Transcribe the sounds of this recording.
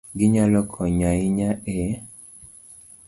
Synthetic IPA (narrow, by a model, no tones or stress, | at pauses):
ɡiɲalɔkʰɔɲaiɲae